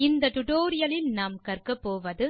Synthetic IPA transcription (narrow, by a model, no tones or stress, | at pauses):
ɪnd̪ɐʈ̪ʊʈoːɾɪjɐlɪlnaːmkɐrkɐpːoːʋɐðɯ